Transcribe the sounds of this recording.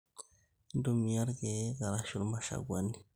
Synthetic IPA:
ndu˦mi˨ja˦ɾɡe˨ɡa˨ɾa˦ʃu˦ɾma˦ʃa̰˨ɡwa˦ni˨

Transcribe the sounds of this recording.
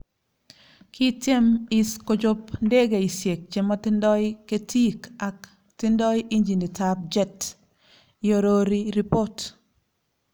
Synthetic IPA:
kʰi˦tje˦mi˦sko˨d͡ʒʊ˦pnde˦ɡe˨i˨sje˨k̚t͡ʃe˨mɔ˦tɪ˦ndɔ˦ɪke˦ti˦ka˨k | tɪ˦ndɔ˦jʔi˦ɲd͡ʒi˨ni˨tap̚d͡ʒɛ˦t | jo˨ɾo˦ɾi˦ɾi˦po˦t

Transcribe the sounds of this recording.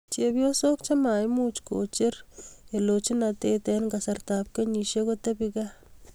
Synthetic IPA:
t͡ʃe˨pjo˦so˦kt͡ʃa˦ma˨jmut͡ʃko̰˨t͡ʃe˦ɾe˨lo˨t͡ʃi˦nate˦tɛnkasarta˨p̚ke˦ɲi˨ʃekotepika˦

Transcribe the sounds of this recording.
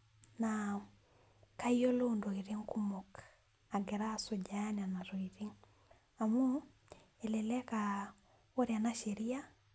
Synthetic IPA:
na | ka˦io˦londo˨iɾeŋku˦mɔ˨k | a˨ɡe˨ɾa˦so˨ɟanana˨ɾo˨iɾiŋ | a˨mu | e˨lelɛka | o˦ɾja˨naʃeɾi˦a˦

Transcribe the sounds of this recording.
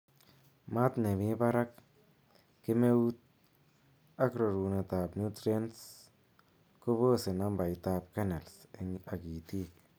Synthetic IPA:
ma˦t̪ne˨mi˦ba˦ɾa˦k̚ | ke˦me˦u˦t̪̚ | a˦kɾo˨ɾu˨ne˧t̪a˨pnu˦t̪ɾe˦nts | ko˦bo˦se˨na˧mba˨jt̪a˧p̚ka˦ne˨lse˧ŋa˨ki˨t̪i˦k

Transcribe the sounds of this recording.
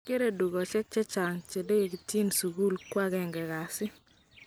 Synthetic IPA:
ke˦ɾe˦du˨ɡɔ˨t͡ʃɛ˦k̚t͡ʃɛ˦t͡ʃa˨ŋt͡ʃe˨de˦ɡe˨ki˨ti˦nsu˨ɡu˦lkwa˦ɡɛ˦ŋɡɛ˨ɡa˨sɪ˦

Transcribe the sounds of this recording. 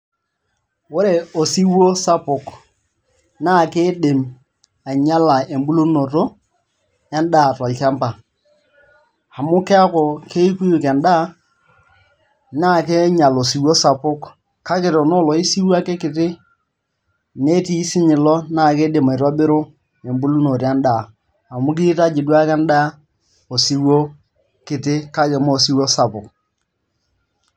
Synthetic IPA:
wʊ˦ɾe˨o˨si˦wo˦sa˦pʊ˨k | na˦˨kɪ˦dɪ˨m | a˨ɲa˦la˨e˨mbu˦lo˦no˨to˦ | ɛ˦nda˦˨tɔ˨lka˦mpa˨ | a˨mʊ˦kɛ˦a˦kɔ˨ke˦i˦ku˦ju˨kɛ˨nda˦ | na˦˨ke˦ɲa˨lo˨si˨wo˦sa˨pʊ˦k | ka˦kɪ˨ɾɔ˨no˦lɔ˨i˦si˦wa˦kɛ˦kɪ˨tɪ˦ | ne˦ti˦sɪ˦ɲɪ˨lɔ˦na˦˨ke˦de˨ma˨ɪ˨tɔ˦bɪ˦ɾʊ˦ | e˨mbu˦lu˦no˨ɾi˨a˦nda˦˨ | a˨mʊ˦kɪ˦ta˦d͡ʒɪ˨dwa˦kɛ˦nda˦ | o˨si˦wo˦ | kɪ˨tɪ˦ka˦kɛ˨mo˦˨si˦wo˦sa˨pʊ˨k

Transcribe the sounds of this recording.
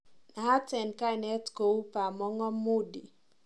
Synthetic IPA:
na˨a˦tɛ˨nka˦i˨nɛ˦tko˨u˦pa˨mɔ˦ŋɔ˦mʊ˦dḭ˨

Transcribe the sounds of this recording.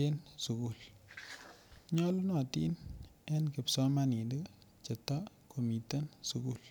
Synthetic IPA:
e˦nsu˨ku˦˨l | ɲɔ˦lu˦nɔ˨ti˦n | ɛ˦nkɪ˨psɔ˦ma˦ni˨di˦ | t͡ʃə˨ta˦ | ko˨mi˨te˦nsu˨ku˦˨l

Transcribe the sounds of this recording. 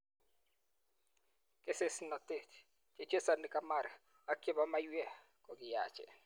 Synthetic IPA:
ke˦se˨sna˨te˨t | t͡ʃe˨t͡ʃe˦sa˨nɪ˨ka˦ma˦˨ɾ | a˦ke˦ba˦ma˦jwɛ˦˨ | kɔ˨ɡɪ˨ja˨t͡ʃɛ̰˨

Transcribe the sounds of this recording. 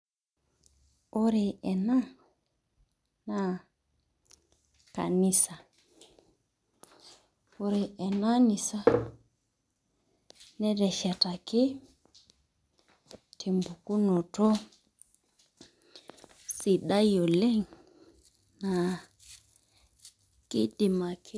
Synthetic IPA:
o˦ɾe˨ɛ˨na˦ | na˨ | ka̰˨ni˦sa˨ | o˦ɾe˨ʔɛ˨na˦ni˨sa˦ | nɛ˦ɾɛ˨ʃɛ˨ta˨kɪ˦ | tʰi˨mbu˨ku˦nɔ˨tɔ˦ | si˨ɗa˦jɔ˨lɛ˦˨ŋ | na˨ | kɪ˦dɪ˨ma˨kɪ˦

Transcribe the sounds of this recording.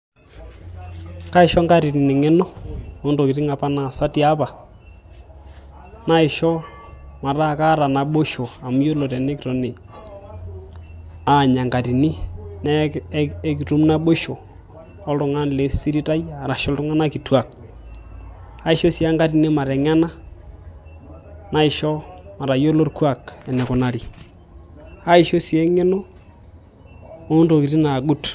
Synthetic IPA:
ka˦ɪ˨ʃɔ˦ŋɡa˦ɾi˨ni˨ni˨ŋɛ˦nɔ˦o˦ndo˨kɪ˨ti˦ŋa˨pa˦na˨sa˦ti˨a˦pa˨ | na˦ɪ˨ʃɔ˦ | ma˨ɾa˦ka˦ɾa˨na˨ɓo˦ʃo˨a˨mu˦jo˦lo˨tɛ˨ne˦kɾo˨ne˨ | a˨ɲa˨ŋɡa˨ɾi˨ni˦nɛ˦ | ki˨ɾu˦mna˦ɓo˦ʃo˨ | ɔ˦ltʊ˨ŋa˦nle˨˦si˦ɾi˦ta˦ja˨ɾa˨ʃɔ˦ltʊ˦ŋa˦na˦ki˨twa˨k̚ | a˦i˦ʃo˦si˨a˦ŋɡa˦ɾi˨ni˦ma˨ɾɛ˨ŋ˦a˦na˦ | na˦ɪ˨ʃɔ˦ma˨ɾa˨jo˦lo˦rkwa˦˨kɛ˨nɛ˨kʊ˨na˨ɾi˨ | a˦i˨ʃo˦sɛ˦ŋɛ˦no˦ | o˦nto˨ki˨ɾi˦na˨ɡu˦t

